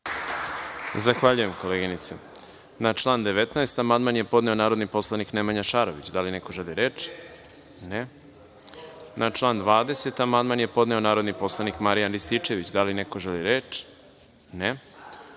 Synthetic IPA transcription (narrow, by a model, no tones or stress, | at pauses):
zaxʋaʎuje̞mko̞leɡinit̪se | nat͡ʃlˠaːnd̪eʋet̪naest̪amand̪manje̞po̞d̪ne̞o̞naːɾod̪nipo̞slˠaniknemaɲaʃaɾo̞ʋit͡ɕd̪alineko̞ʒeliɾeːt͡ʃ | ne | nʔat͡ʃlˠaːnd̪ʋaːd̪e̞se̞t̪amand̪manje̞po̞d̪ne̞o̞naːɾo̞d̪nipo̞slˠanikmaɾijanɾist̪it͡ʃe̞ʋit͡ɕd̪alineko̞ʒeliɾeːt͡ʃ | ne